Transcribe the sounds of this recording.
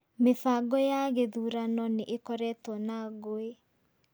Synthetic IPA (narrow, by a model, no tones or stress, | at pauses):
mefaɡɔjaɣeðuɾanɔneʔekɔɾɛtɔnaɣoe